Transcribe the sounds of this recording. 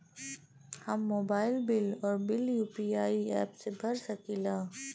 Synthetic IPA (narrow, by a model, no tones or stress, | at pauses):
hɐmːoːbaːɪlbɪlɔːɾbɪljuːpiaːiɛːpsebʱɐɾsɐkiːlaː